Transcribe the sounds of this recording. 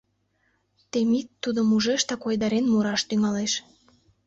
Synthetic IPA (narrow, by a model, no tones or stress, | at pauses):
t̪emit̪ːud̪omuʒeʃt̪ɑkojd̪ɑɾenmuɾɑʃt̪yŋɑleʃ